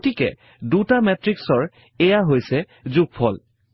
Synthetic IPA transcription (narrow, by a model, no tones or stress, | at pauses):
tikɛ̰ | dutamɛtɹiksɔɹ | ɛjaɦojsɛ | zuk̚pʰɔl